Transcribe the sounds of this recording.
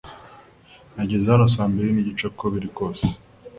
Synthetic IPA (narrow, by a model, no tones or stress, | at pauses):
naɟezeaanos̬aːmbeɾiniɟit͡ʃakoβiɾiko̞ːse̥